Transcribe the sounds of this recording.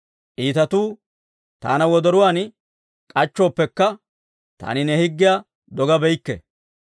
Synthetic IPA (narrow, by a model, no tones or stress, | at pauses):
ʔiːt̪ɐt̪uː | t̪a̰ːnɐwɔd̪ɔɾʊwaːn | kʼɐt͡ʃːo̞ːpːɛkːɐ | t̪a̰ːnɪnɛhɪɡːɪja | d̪ɔɡɐbɛjkːɛ̰